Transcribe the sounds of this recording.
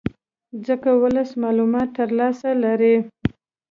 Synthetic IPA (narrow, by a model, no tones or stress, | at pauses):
zəkawələsmɑlumɑt̪ːəɾlɑsalaɾi